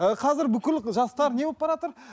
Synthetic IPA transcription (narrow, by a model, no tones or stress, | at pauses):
əqʰɑzɪɾbʏkʲɪlʒɑst̪ɑɾne̞op̚bɑɾɑt̪əɾ